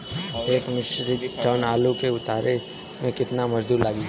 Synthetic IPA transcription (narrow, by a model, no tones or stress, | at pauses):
eːkmɪʃɾid͡ʒaːnaːlokeʊt̪aːɾʔe | mẽkɪt̪namɐd͡ʒd̪ʱuːɾlaːɡi